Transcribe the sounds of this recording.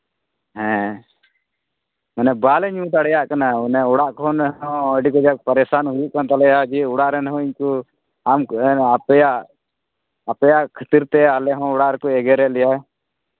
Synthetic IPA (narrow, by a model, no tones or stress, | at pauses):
ɦɛ̃ | manɛbalɛɲũt̪aɽɛjaʔkanaunɛɔɽaʔkɔɔ̃nɛɦɔ̃əɖikɔd͡ʒapəɾɛsanɦujuʔkant̪alɛad͡ʒiuɽaʔɾɛnɛɦɔ̃iɲku | amapɛjaʔ | apɛjaʔkʰət̪iɾt̪ɛalɛɦɔ̃ɔɽaʔɾɛkɔɛɡɛɾɛʔlɛja